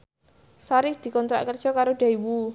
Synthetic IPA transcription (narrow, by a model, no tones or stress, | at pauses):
saɾɪkd̪̥i̤kɔnt̪ɾa̰ʔkərd̥ʒ̥ɔ̤kaɾoɖ̥a̤iwu